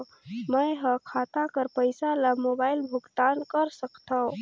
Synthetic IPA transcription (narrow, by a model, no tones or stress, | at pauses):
məjɦəkʰat̪akəɾpəjsalamobaːɪlbʱʊɡt̪ankəɾsəkt̪ʰã